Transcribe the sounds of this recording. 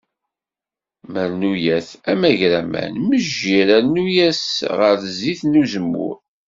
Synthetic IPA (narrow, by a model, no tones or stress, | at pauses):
məɾnujæθæmæʝɾæmæ̰nməʒiɾænujæsʁəɾziθnuzəmːʊ̰ɾ